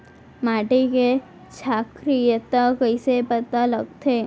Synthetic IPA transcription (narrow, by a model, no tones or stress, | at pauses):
maːʈeke | t͡ʃʰaːkɾijət̪akəisepət̪aləɡ̚t̪ʰeː